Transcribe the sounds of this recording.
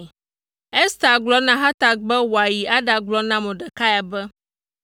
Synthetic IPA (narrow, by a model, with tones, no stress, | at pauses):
e˦st̪a˨ɡlɔ˦nã˦ɦa˦t̪a˨k̚bɛ˦wɔ˨a˨ji˨ʔa˦ɖa˨ɡ͡blɔ˦nã˦mɛ̃˨ɖɛ˨ka˦ja˨bɛ˦